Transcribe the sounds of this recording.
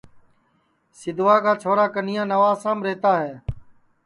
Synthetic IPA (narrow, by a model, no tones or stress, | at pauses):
sɪd̪ʱʋaːkaːt͡ʃʰoːɾaːkənɪjãːnəʋaːsãːmɾeːt̪aːɦeː